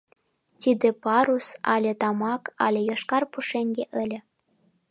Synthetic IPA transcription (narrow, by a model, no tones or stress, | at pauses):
t̪ʲid̪ĕpɑɾusɑ̰lʲet̪ɑmɑkɑ̰lʲejoʃkɑrpuʃeŋɡeʔəlʲĕ